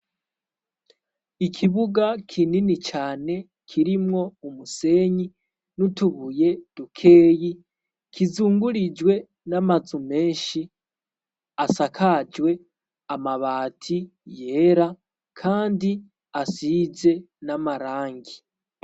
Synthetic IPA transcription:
ikʰiβuɡakʰininit͡ʃaːne̞ | kʰiɾimŋo̞umuse̞ɲi | nutuβuje̞d̥ukʰe̞ːji | kʰizuːŋɡuɾid͡ʒwe̞ | namazume̞ːnʃi | asakʰad͡ʒwe̞ | amaβaːtʰi | je̞ɾa | kʰaːndi | asize̞ | namaɾaːŋɡi

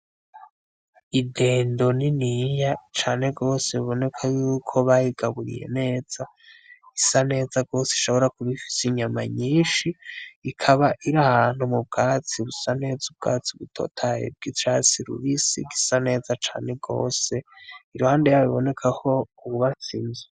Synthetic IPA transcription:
ide̞ːndo̞ninijat͡ʃaːne̞ɡo̞ːseβiβo̞ne̞kʰajuːkʰo̞βajiɡ̥aβuɾḭjḛne̞ːz̥a | ɡisane̞ːzaɡo̞ːseiʃo̞βo̞ɾakuβifi̥siɲamaɲiːnʃiːkʰaβaʔiɾahan̥humub̚ɡaːt͡siuβusane̞ːzub̚ɡa̰ːt͡siβutʰo̞̰tʰajḛb̚ɡit͡ʃat͡siɾṵβisḭɡisane̞ːzat͡ʃa̰ːne̞ɡo̞̰ːse̞iɾuhaːndejaβiβo̞ne̞kʰaho̞uβuβasinze

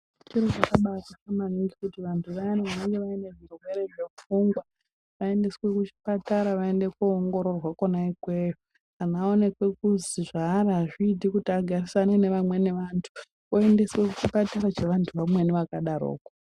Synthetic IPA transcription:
t͡ʃiɾot͡ʃakaɓatat͡ʃamaniŋɡikutiʋantʰuʋaniʋaneŋɡe̞ʋaine̞ʐirwe̞ɾe̞ʐe̞fuŋɡwa | ʋae̞nde̞swe̞kut͡ʃi̥pataɾaʋae̞nde̞kːŋɡo̞ɾo̞rwakonaikwe̞jo | anao̞ne̞kwe̞kuziʐaraʐidʱikutiaɡʱarisanene̞ʋamwe̞ne̞ʋantʰu̥ | oe̞nde̞swe̞kut͡ʃipataɾat͡ʃeʋantʰuʋamwe̞niʋakaɗaɾo̰ːko

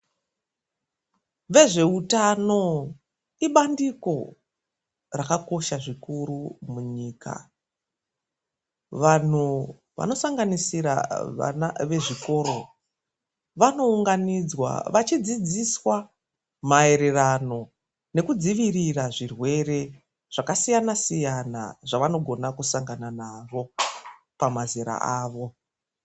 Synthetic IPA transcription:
ʋe̞ʐe̞utano̞ | iɓandiko̞ | rakako̞ʃaʐikuɾumuɲiːka̰ | ʋan̤u | ʋa̰no̞saŋɡanisiɾa̰naʋe̞ʐiko̞ːro̞ | ʋano̞uŋɡanid͡zwa̰ʋat͡ʃid͡zid͡ziswa | mae̞ɾe̞rano̞ | ne̞kud͡ziʋiriraʐirwe̞re̞ | ʐ̥akasijanasijana̰ʐaʋano̞ɡʱo̞nakusaŋɡananaʐo̞ | pamaziɾa̰aːʋo̞

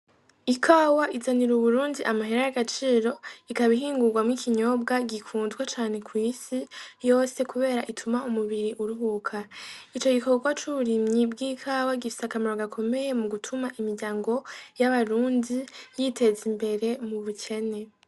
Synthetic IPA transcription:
ikʰaːwaʔizaniɾuβuɾuːndiʔamaɦiɾajaɡat͡ʃiːɾo̞ikaβiɦiːŋɡuɡwamŋikʰiɲo̞b̚ɡaɡikʰuːnzɡwat͡ʃaːne̞kwiːsijo̞ːse̞kuβe̞ːɾaʔitʰumaumuβiɾiʔuɾuɦukʰait͡ʃo̞ɡiko̞ɡwat͡ʃuβuɾimɲibɡiːkʰawaɡifi̥sakamaɾo̞ɡakʰo̞me̞je̞muɡutʰumaʔimiɾɟaːŋɡo̞jaβaɾuːndijite̞zimbe̞ɾe̞muβucʰe̞ne̞

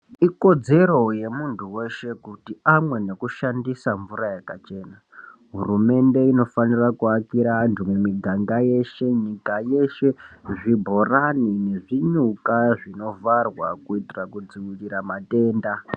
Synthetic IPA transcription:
iko̞d͡ze̞ɾo̞je̞muntʰuwe̞ʃe̞kutiamwe̞ne̞kuʃandisaɱvurajekat͡ʃe̞ːna | ɦurume̞nde̞ino̞fanirakuakiɾantʰumemiɡʱaŋɡaje̞ʃe̞ɲikaje̞ʃe̞ʐibʱo̞ranine̞ʐiɲukaʐino̞varwa̰kuitirakud͡ziwiɾiɾamate̞ːnda

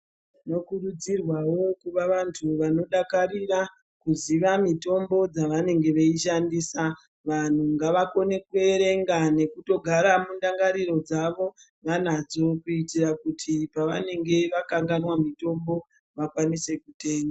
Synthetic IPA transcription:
no̞kurud͡zirwawo̞kuʋaʋantʰuʋano̞ɗakaɾira | kuziʋamito̞mbo̞d͡zaʋane̞ŋɡe̞ʋeiʃandisa | ʋan̤uŋɡaʋako̞ne̞kweɾe̞ŋɡane̞kuto̞ɡʱaɾamundaŋɡaɾiɾo̞d͡zaʋo̞ | ʋan̤ad͡zo̞kuitirakutʰipaʋa̰ne̞ŋɡe̞ʋakaŋɡanwamito̞mbo̞ | ʋakwanise̞kute̞ːŋɡa

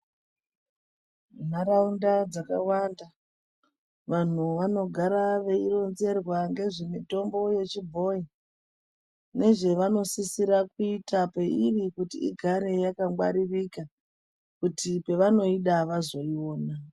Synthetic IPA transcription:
n̤aɾaundad͡zakawanda | ʋan̤uʋano̞ɡʱaɾaʋe̞iro̞nze̞rwaŋɡe̞ʐe̞mito̞mbo̞je̞t͡ʃibʱo̞i | ne̞ʐe̞ʋano̞sisiɾakuitape̞irikutḭiɡʱaɾe̞jakaŋɡwa̰ɾirika | kutipe̞ʋano̞iɗaʋazo̞io̞ːna

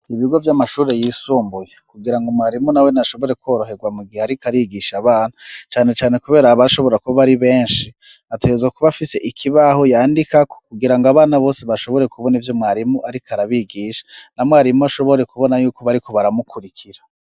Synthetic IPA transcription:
iβiɡo̞vjamaʃuːɾe̞jiːsuːmbujekuɡiɾaŋɡomwaːɾimunawe̞naʃo̞βo̞ɾe̞kʰo̞ːɾo̞ɦe̞ɡwamuɡiheaɾikaɾiɡiʃaβaːn̥at͡ʃaːne̞t͡ʃaːne̞kuβe̞ːɾaβaʃo̞βo̞ɾakuβaβaɾiβe̞ːnʃi | ateɡezakuβafise̞ʔikʰiβaho̞jaːndikako̥kuɡiɾaŋɡoaβaːnaβoːseβaʃo̞βo̞ɾe̞kuβo̞nivjo̞mwaːɾimuʔaɾikʰaɾaβiɡiːʃḁnamwaːɾimuaʃo̞βo̞ɾe̞kuβo̞najuːko̞βaɾiko̞βaɾamukʰuɾikʰiɾa

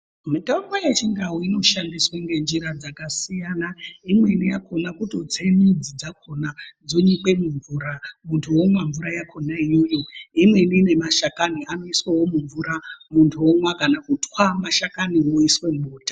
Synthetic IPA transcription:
mitaŋwajet͡ʃiŋɡaɦoino̞ʃandiswaŋɡe̞nd͡ʒiɾad͡zakasijanaimwe̞nijakʰo̞nakuto̞t͡se̞nid͡zid͡zakʰo̞nad͡zoɲikwe̞muɱvuːɾamuntʰuomwaɱvuɾajakʰo̞naijojo̞imwe̞niːne̞maʃakanianoiswewo̞muɱvuɾamuntʰuomwakanakutwamaʃakaniɦo̞iswe̞muːtḁ

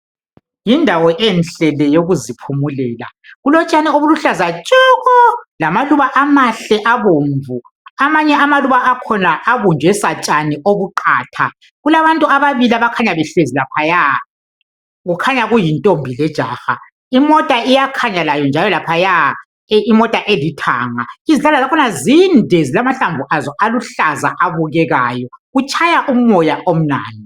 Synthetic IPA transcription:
jindʱawɔʔɛnɬɛlɛjoɣuzipʰumulɛːla̰ɣulɔt͡ʃʼanioβuluɬazat͡ʃʼuɣɔlamaluβaʔamaɬɛʔaβoːɱvu | amaɲɛamaluβaʔːkʰɔnaʔːβund͡ʒʱwɛsat͡ʃʼaniʔoβuǃaːtʰa | ɣulaβantʼuaβaβiliaβakʰaɲaβɛɬezilapʰaja | ɣukʰaɲaɣujintʼombʱilɛd̥ʒ̥ʱaːxa | imɔtʼaijakʰaɲalajɔnd͡ʒʱalɔlapʰaja | imɔtʼaʔelitʰaːŋa̰iziɬalazakʰɔnazindʱezilamaɬaɱvʱuʔazɔʔaluɬaza̰ʔaβuɣɛɣaːjɔɣut͡ʃʼʰajaʔum̩ːɔjaʔom̩na̰ːni

